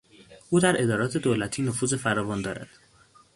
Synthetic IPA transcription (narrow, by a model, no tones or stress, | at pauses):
ʔuːd̪æɾʔe̞d̪ɒːɾɒːt̪ʰe̞d̪oːlæt̪ʰiːnofuːze̞fæɾɒːvɒːnd̪ɒːɾæ̰d̪̥